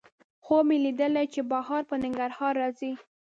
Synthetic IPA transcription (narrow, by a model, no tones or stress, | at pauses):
xomelid̪əlajt͡ʃebɑhɑɾpənɪŋɡaɾhɑɾːɑzi